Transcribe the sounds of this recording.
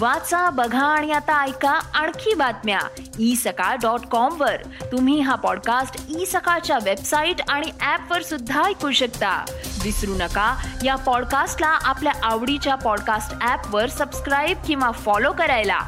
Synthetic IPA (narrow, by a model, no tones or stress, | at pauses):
ʋat͡sabəɡʱãːɽ̃iat̪aːjkaaɳ̃kʰiːbat̪mja̰ | isəkaɖɔʈkɔmʋəɾ | t̪um̤iːɦapɔɽkasʈisəkat͡ɕjaʋebsaiʈaɽ̃iæpʋəɾsud̪ʱːajkuɕəkt̪a̰ | d̪isɾunəkajapɔɽkasʈlaʔapljaʔaʋɽit͡ɕjapɔɽkasʈæpʋəɾsəbskɾajb̚kĩw̃ʋafɔlokəɾajla̰